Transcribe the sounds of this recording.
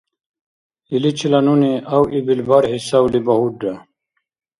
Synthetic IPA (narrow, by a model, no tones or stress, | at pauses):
ilit͡ɕʰilɐnuniʔawibilbaɾɦisawlibɐhuɖːa